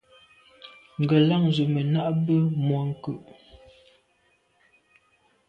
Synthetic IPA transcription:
ŋ˨ɡə˨la˦˨ŋzu˨mə˨na˦ʔbə˦mwɔ˨˦ŋ̩˦kʉ˨ʔ

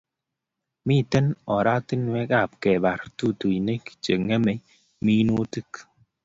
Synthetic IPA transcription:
mi˦˨tɛ˦nɔ˨ɾa˦ti˦nwɛ˦ka˦˨p̚kɛ˨ba˨ɾtu˦˨tu˨i˨ne˦ki̥˨t͡ʃe˨ŋe˦me˨˦ | mi˦nu˦tɨ˦k

